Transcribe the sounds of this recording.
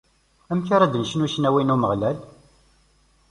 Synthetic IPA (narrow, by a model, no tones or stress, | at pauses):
æmçaɾæd̪ənʃənuʃənæwinuməʁlæl